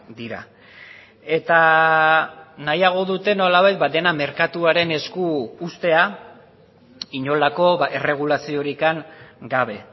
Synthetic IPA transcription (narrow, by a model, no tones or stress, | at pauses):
d̪iɾa̰ | e̞t̪a | najaɣ̞o̞ðut̪e̞no̞laβajt̪̚bad̪e̞name̞ɾkat̪uaɾe̞ne̞skuːst̪e̞a | iɲo̞lako̞βaʔere̞ɣ̞ulasio̞ɾikaŋɡaβ̞e̞